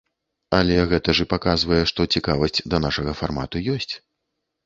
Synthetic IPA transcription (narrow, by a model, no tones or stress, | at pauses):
ɐlʲɛɣɛt̪ɐʐɨpakazvɐjɛʂt̪ɔt͡sʲikavɐsʲt͡sʲd̪ɐnaʂɐɣɐfarma̰t̪ujɔsʲt͡sʲ